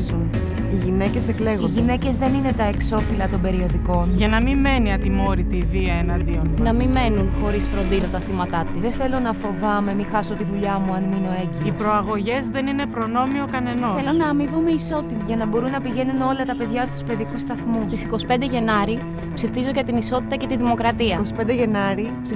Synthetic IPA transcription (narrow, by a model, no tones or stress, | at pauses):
zun | iʝine̞cesekle̞ɣoʝine̞ce̞zðe̞nine̞t̪ɐekso̞filɐt̪o̞mbe̞ɾio̞ðiko̞nʝɐnɐmime̞niɐt̪imo̞ɾit̪iːviɐenɐnd̪ionnɐmime̞nunxo̞ɾisfɾo̞nd̪iðɐt̪ɐθimɐt̪ɐt̪iðeθe̞lo̞nɐfo̞vɐme̞mixɐsot̪iðuʎɐmuɐnmino̞e̞ciipɾo̞ɐɣo̞ʝe̞zðe̞nine̞pɾo̞no̞mio̞kɐne̞nosθelonɐːmivomeiso̞t̪imiʝɐnɐbo̞ɾunːɐpiʝe̞nuno̞lɐt̪ɐpe̞ðʝɐst̪u̥spe̞ðikust̪ɐθmust̪isiko̞si̥pe̞nd̪eʝe̞nɐɾi | psifizoʝɐt̪iniso̞t̪it̪ɐce̞t̪iðimo̞kɾɐt̪isɐkosi̥pend̪eʝe̞nɐɾi